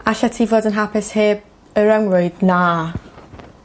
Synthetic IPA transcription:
aɬatʰivodənɦapʰɪsheːb̚ | əɾawnrɔɨdna

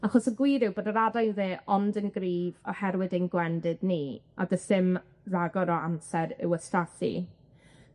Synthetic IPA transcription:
aχɔsəɡwiːɾɪwboːdəɾadajnðeːʔɔndənɡriːvɔhɛɾwɪdenɡwɛndɪdniːa̰dəsɪm | raɡɔɾɔamsɛɾɪ̰wəstaθḭ

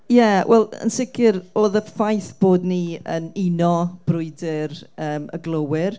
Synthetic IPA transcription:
jɛwʔɛ̰lˠə̰nsɪkʰɪɾoːðəfajθb̥oːdniə̰ninɔb̥rʊɨdɪɾəːmə̰ɡlˠowɪr

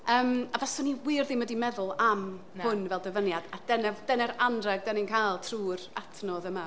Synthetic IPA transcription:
əːmabasɔniwɨrðɪmədimɛðʊlˠam | hʊnvɛlˠdəvənjadad̥ɛnɛvd̥ɛnɛɾandrɛɡ̚dɛnɪnkʰajlˠtʰruːratʰnɔðəma

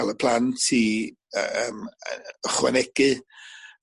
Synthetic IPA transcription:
alˠəpʰl̥ˠantʰi | əːməχwa̰nɛɡ̥ɨ

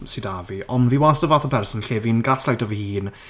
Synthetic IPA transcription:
sɨdaviɔnviːwasəvaːθəpʰɛrsɔnɬeːvinɡaslajdɔvihiːn

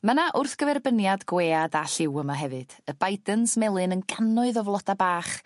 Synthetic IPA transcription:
mənaʔʊrθɡ̥əvɛrbənjadɡweːadaɬɪwəmaɦɛvɨd̥əbajdənsmɛlˠɨnənɡanʊɨðɔvlˠɔdabaːχ

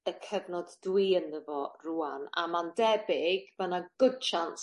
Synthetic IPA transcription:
əkʰəvnɔddwiːənðəvɔruːana̰mandɛbɪɡvənaɡ̥ʊd̥ʃans

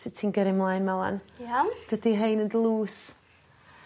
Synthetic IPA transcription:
sɪtʰinɡɛɾɪmlˠajnmɛlˠa̰njad̥ədiɦejnəndlˠuːs

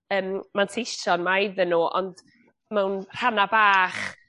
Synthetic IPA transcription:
əːmmantʰeʃɔnmaɪðənuːʔɔ̰nd̥ | mɛwnr̥anabaːχ

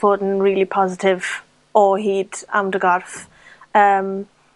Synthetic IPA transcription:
oːdn̩ɹɪːlipʰɒzɪtʰɪv | ɔɦiːdã̰mdəɡɔɹf | əm

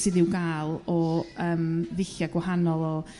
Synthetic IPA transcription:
sɨðɪwɡalˠɔəːmðɪɬjaɡwaɦanɔlˠɔ

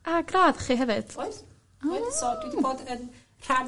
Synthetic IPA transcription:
ʔaɡraːðχiːɦɛvɨd̥ojθ | sɔd̥widiboːdən | r̥an

